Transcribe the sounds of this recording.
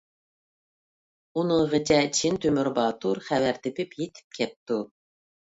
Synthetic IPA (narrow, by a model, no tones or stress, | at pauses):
unɨŋʁɨt͡ʃʰɛt͡ʃʰint̪ʰymyɾbɑːt̪ʰuɾχævæɾt̪ʰɪpʰɪpjet̪ʰɪ̥p̚kʲʰɛp̚t̪u